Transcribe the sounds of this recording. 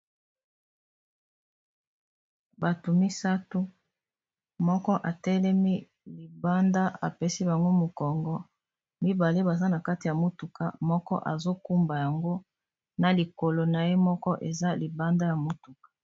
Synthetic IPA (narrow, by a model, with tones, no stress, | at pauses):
ba˨to˨mi˦sa˦tu˦ | mɔ˦kɔ˦ʔa˨tɛ˦lɛ˦mi˦ | li˨ba˦nda˦a̰˨pe˦si˦ba˨ŋɡo˦mo˨kɔ˨ŋɡɔ˦ | mi˦ba˨le˦ba˨za˦na˨ka˦ti˨ja˨mo˨tu˨ka̰˨mɔ˦kɔ̰˦ʔa̰˨zo˦ku˦mba˨ja˨ŋɡo˦ | na˨li˨ko˨lo˨na˨je˦mɔ˦kɔ˦ʔe˨za˦li˨ba˦nda˦ja˨mo˦tu˨kḁ˨